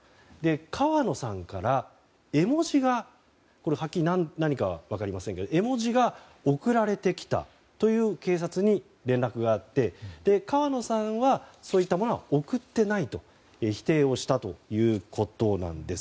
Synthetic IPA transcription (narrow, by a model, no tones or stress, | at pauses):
d̪e̞kʰaβano̞sãŋkaɾa | e̞mo̞ʑiɡa | ko̞ɾehakʲːiinanaɲ̟ikaβa̰βakaɾʲimasẽŋke̞d̪oe̞mo̞ʑiɡa | o̞kɯ̟ɾaɾe̞t̪e̞kʲʰi̥t̪a̰ | t̪o̞jɯ̟ːke̞ːs̬at͡sɨɲ̟i | ɾẽnɾakɯ̟ɡaːt̪ːe̞d̪̥e̞kaβano̞sãβaso̞ːit̪ːamo̞no̞βa̰o̞kɯ̟t̪ːe̞nait̪o̞ | eçi̥t̪e̞ːo̞ɕi̥t̪at̪o̞jɯ̟ːkʰo̞t̪o̞nã̰nd̪e̞sɨ̥